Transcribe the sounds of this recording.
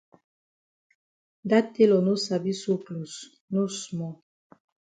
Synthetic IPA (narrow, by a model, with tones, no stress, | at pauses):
da˦te˦lɔ˨no˦sa˨bi˦so˦klu˨s | no˦smɔ˨